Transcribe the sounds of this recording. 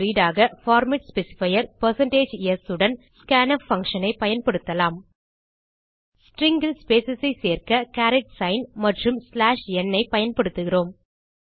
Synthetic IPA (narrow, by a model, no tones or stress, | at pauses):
iːɽaːɣɐfaːɾmɐʈspɛsɪ̥fɐjɐɾpɐɾsɐɳʈeːd͡ʒɛsɯɽɐnskaːnɐfɐŋkʂɐnɐɪpɐjɐnpɐɽɯt̪ːɐlaːm | sʈɾɪŋɡɪlspeːsɐsɐɪseːrkɐkaːɾɪʈsɐɪnmɐʈrɯmslaːʂɛnːɐɪpɐjɐnpɐɽɯt̪ːɯɣɪroːm